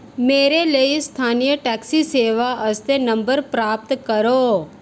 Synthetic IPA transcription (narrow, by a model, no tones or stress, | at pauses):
meːɾeləist̪ʰaːnijəʈɛːksiseːʋaɐst̪enɐ̃mbəɾpɾaːp̚t̪kɐɾoː